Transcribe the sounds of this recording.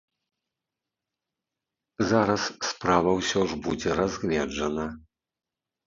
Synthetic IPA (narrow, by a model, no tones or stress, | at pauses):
zaɾɐsːpɾavɐwsʲɔʐbud͡zʲɛɾazʲɣlʲɛd͡ʐɐnɐ